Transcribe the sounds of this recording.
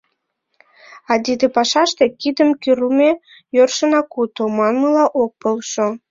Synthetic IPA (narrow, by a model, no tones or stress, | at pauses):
ɑd̪id̪epɑʃɑʃt̪ekid̪əmkyɾume | jørʃənɑkut̪omɑnməlɑʔok̚pəlʃo